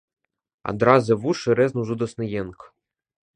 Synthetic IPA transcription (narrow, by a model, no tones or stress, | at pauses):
a̰d̪ɾazɨvuʂɨɾɛznuzud̪ɔsnɨjenk